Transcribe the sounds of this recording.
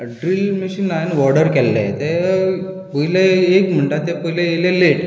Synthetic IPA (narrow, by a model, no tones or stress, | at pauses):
ɖɾilmiɕinanʋɔɽəɾkɛlːḛt̪e | pəɦileekm̤əɳʈat̪epəɦileelele